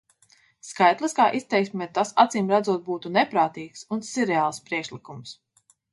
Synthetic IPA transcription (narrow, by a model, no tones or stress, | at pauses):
skajt̪lˠɨskaːʔist̪ɛjksmʲɛːt̪asa̰t̪ziːmɾad̪zuɔt̪̚buːt̪unɛpɾaːt̪iːksunsiɾɛaːlˠspɾiɛkʃlikums